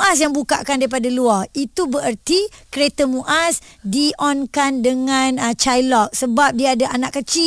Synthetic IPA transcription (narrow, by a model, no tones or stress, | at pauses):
ʔasjaŋbuka̰ʔkandaɾip̬adaluait̪ubəɾərt̪ikəɾet̪əmuʔasdiʔɔnkandəŋãnət͡ʃajlɔk̚səbap̚diaadaʔanaʔkːət͡ʃi